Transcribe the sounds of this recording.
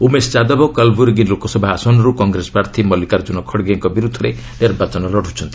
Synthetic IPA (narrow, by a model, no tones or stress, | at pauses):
umest͡ʃad̪ɔbɔkalbuɾɡinlokɔsɔbʱaasɔnɔɾukɔŋɡɾesɔ̥pɾaɾt̪ʰimɔlikaɾd͡ʒunɔkʰɔɽɡeŋkɔbiɾud̪ʱːɔɾe | ɖeɾbat͡ʃɔnɔlɔɽut͡ʃʰɔnt̪i̥